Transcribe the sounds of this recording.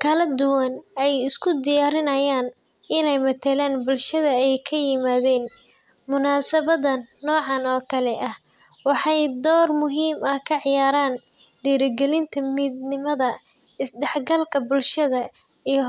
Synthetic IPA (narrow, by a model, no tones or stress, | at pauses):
kʰɐlɐd̪ʊwɐnɛjɪskʰʊd̪ɪjaːɾɪnɐjaːn | ɪnɛjmɐt̪ʰɐlaːnbʊlʃɐðɐɛjkʰɐjɪmaːðɛːn | mʊnaːsɐβɐðɐnːɔːʕɑnɔːkʰɐlɛʔɐh | wɑħɑjd̪ɔːrmʊɦiːmɐkʰɐʕɪjaːɾaːn | ɖiːɾɪɡɛlɪnt̪ʰɐmiːd̪nɪmɐðɐ | ɪsd̪ɛħɡɐlkʰɐbʊlʃɐðɐ | ij